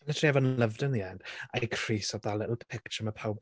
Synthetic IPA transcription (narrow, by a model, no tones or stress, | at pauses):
ənɛtʰriɛvɔnləvdənðiɛndakʰr̥iːsɔbðalɪʔl̩ˠpʰɪkt͡ʃəməpʰawb